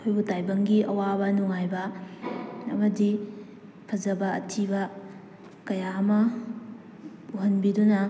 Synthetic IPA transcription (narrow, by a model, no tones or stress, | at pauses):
kʰojbutajbɐŋɡiʔɐ̰wabɐnuŋajbɐ | ɐ̰mɐdi | pʰɐzɐbɐɐ̰tʰibɐ | kɐjaɐmɐ | uɦɐnbidunɐ